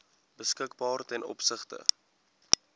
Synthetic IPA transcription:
bəskəkbɑːrtɛnɔ̰psəχtə̰

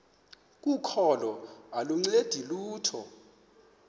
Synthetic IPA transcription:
k̬ʼukʰɔlɔaluŋ͡ǀed̥ʱiluːtʰɔ̰

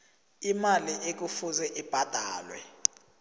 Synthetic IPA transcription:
imaliʔek̬ufuzɛʔib̥ʱad̥ʱaːlwɛ̰

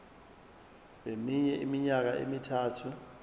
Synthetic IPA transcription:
ɓemiɲɛʔimiɲak̬aʔḛmitʰaːtʰu

